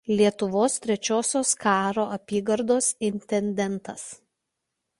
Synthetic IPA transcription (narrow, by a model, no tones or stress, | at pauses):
lʲiɛt̪ʊʋoːst̪ʲɾʲɛt͡ʃʲoːsʲoːskɑːɾoːʔɐpʲiːɡɐɾd̪oːsɪnʲt̪ʲɛnʲd̪ʲɛnt̪ɐs